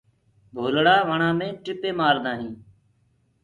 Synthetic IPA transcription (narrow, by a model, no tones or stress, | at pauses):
bʱoːlɽaːʋəɳaːmẽːʈɪpeːmaːɾd̪ãːɦĩː